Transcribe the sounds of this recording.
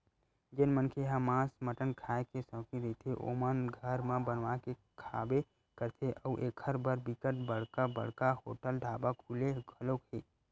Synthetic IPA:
d͡ʒenmənkʰeɦə̃mːãːsməʈənkʰaːekesə̃ːkid̪et̪ʰeʔo̰mənɡʱəɾmãbənʋake | kʰa̰ːbe | kəɾt̪ʰeʔəuʔeːkʰəɾbəɾbɪkəʈbəɽ̤kabə̰ɽ̤kahoːʈəlɖʱaːbakʰuːleɡʱəlokeː

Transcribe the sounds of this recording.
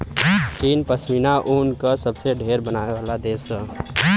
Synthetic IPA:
t͡ʃiːnpəsminaʔuːnkəsəbseɖʱeːɾbənaːeʋaːlad̪eːsə

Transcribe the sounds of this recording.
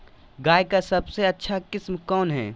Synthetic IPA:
ɡaːjkasɐbseɐtːʃʰakɪsmkɔːnɦɛ̰ː

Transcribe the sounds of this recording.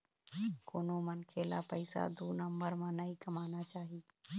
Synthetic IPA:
koːnomənkʰeːla̰pəɪsa̰d̪uːnəmbəɾmãnəɦĩkəmaːnat͡ʃaːɦiː

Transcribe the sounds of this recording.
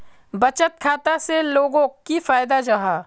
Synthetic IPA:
bɐt͡ʃət̪̚kʰaːt̪aseloːɡõkifaːjd̪ad͡ʒaɦaː

